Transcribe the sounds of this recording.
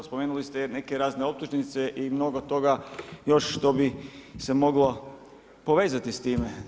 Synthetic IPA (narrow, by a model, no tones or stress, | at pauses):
spo̞meːnulist̪ene̞keɾaːzne̞op̚t̪uʒenit̪seʔimno̞ɡot̪o̞ɡajo̞ʃʃt̪o̞bise̞mo̞ɡlo | po̞ʋe̞ːzat̪ist̪iːme